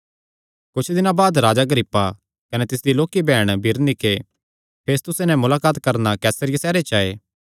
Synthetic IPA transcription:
kʊt͡ʃʰd̪ɪnãbaːd̪ɾaːd͡ʒaɡəɾɪpːa | kɐnɛt̪ɪsd̪iloːkibɛːɽ̃bʱɪɾnɪkʰe | pʰeːst̪ʊsenɛ̃mʊlaːkaːt̪kɐɾnakɛːsəɾɪjesɛːɾet͡ʃaːḛː

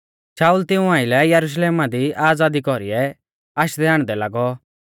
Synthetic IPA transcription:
saːult̪ɪ̃ũãːɪlɛjɐɾuʃ̬leːmad̪iʔaːd͡zaːd̪ikɔɾiɛ | aːʃd̪ɛaːɽ̃d̪ɛlaːɡɔ

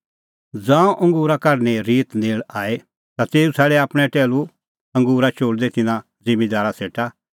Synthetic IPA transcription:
d͡zãːũʔɐ̃ŋɡuːɾakɐɾneɾiːt̪neːɭaːe | t̪at̪eːusʰɛːɽɛaːpɽ̃ɛ̃ʈɛːlu | ɐ̃ŋɡuːɾat͡ʃoːɽd̪et̪ɪnã | zɪmed̪aːɾaseːʈa

